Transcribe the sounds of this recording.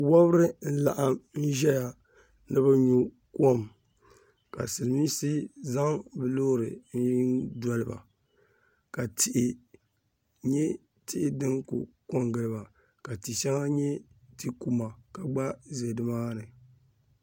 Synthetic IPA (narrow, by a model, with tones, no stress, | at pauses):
wɔ˦bɨ˦ɾɨ˦n̩˦la̰˨ʔa˦mn̩˦ʒɛ˦ja˨ | nɨ˦bɨ˦ɲu˦ | ko˦m | ka̰˨sɨ˨miː˦sɨ˦za˦ŋbɨ˨loː˦ɾɨ̰˨n̩˦dɔ˦lɨ˦ba̰˨ | ka˨tɪ˨ʔɪ˨ | ɲɛ˦ | tɪ˦ʔɪ˦dɨ˦ŋkṵ˨ | ko˦mɡɨ˨lɨ˦ba˨ | ka˨ti˨ʃɛ˦ŋa˦ɲɛ˦ti˦ku˦ma˨ka˨ɡ͡ba˦ze˨dɨ˦maː˦nɨ˨